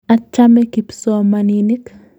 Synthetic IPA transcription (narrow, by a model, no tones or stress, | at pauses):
at͡ʃːamekipsomaninik